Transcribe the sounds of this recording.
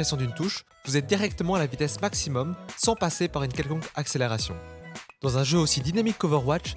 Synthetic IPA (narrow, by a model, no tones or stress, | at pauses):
esjɔ̃d̪ynt̪uʃ | vuzɛt̪̚d̪iʁɛkt̪əmɑ̃alavit̪ɛsmaksimɔmsɑ̃pasepaʁynkʲɛlkɔ̃kakseleʁasjɔ̰̃d̪̥ɑ̃zɛ̃ʒøosid̪inamikːovəʁwat͡ʃ